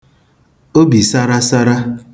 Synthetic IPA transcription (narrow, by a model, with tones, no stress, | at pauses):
o˦bi˨sa˦ɾa˦sa˦ɾa˦